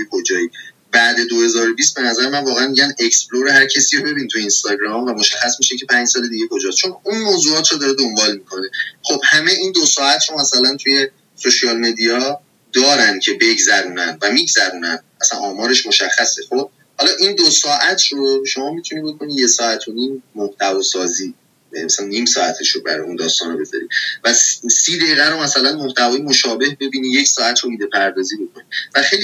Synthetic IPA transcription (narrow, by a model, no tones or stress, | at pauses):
jekʰod͡ʒɒːji | bæd̪e̞d̪ohe̞zɒːɾo̞bist̪̚be̞næzæɾemænvɒːɣeænmiɟæne̞cspbloɾehæɾcʰesiːɾobe̞bint̪ʰujeiːnst̪ɒːɟɾɒmvæmoʃæxːæsmiʃecʰe̞pʰænd͡ʒsɒːle̞d̪iːɟe̞ko̞d͡ʒɒːst̪t͡ʃʰo̞nunmoːzuːɒːt̪ʰɾod̪ɒːɾe̞d̪ombɒːlmikʰo̞ne̞χo̞b̥hæme̞ʔiːnd̪osɒːæt̪ʰɾo̞mæsælænt̪ʰuje̞ | soʃiɒːlmed̪ijɒ | d̪ɒːɾænd̪̚cʰe̞be̞ɟzæɾuːnænd̪væmiːɟzæɾuːnænd̪ʔæsænʔɒːmɒːɾe̞ʃmo̞ʃæxːæse̞χo̞b̚ | hɒːlɒːʔind̪osɒːʔæt̪ʰɾoʃo̞mɒːmit̪ʰunibo̞ko̞nije̞sɒːæt̪ʰo̞niːmːoht̪ʰævɒːsɒːziː | mæsælænːiːmsɒːæ̰t̪ʰe̞ʃɾobæ̰ɾɒ̰jund̪ɒ̰ːst̪ɒ̰ːnɒbe̞zɒ̰ɾḭ̥væsiːd̪eiːɣæɾomæsælænmoht̪ʰævɒːjemoʃɒːbe̞hbe̞biːnije̞csɒːæt̪ʰɾo̞biːd̪e̞pʰæɾd̪ɒːziːbo̞kʰonivæxejl